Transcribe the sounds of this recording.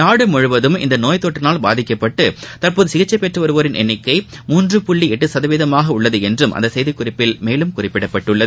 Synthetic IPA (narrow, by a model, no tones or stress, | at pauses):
naːɽɯmɔɻɯʋɐðɯmɪ̰nd̪ɐnoːjt̪oːʈːɪnaːlbaːðɪkːɐpːɐʈːɯt̪ɐrpoːðɯsɪɣɐt͡ʃːɐɪpːɛʈrɯʋɐɾɯʋoːɾɪnʔɛ̰nːɪkːɐɪmuːndrɯpʊɭːiɛʈːɯsɐðɐʋɪðɐmaːɣɐʊɭːɐðɯɛndrɯmʔɐ̰nd̪ɐsɛjðɪkːʊrɪpːɪlmeːlɯmkʊrɪpːɪɽɐpːɐʈːɯɭːɐðɯ